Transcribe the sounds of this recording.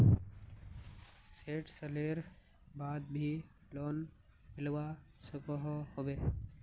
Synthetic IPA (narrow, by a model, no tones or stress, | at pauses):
seːʈsəleːɾ | baːd̪̚bʱi | loːn | mɪlʋa | sʊkɔɦhobeː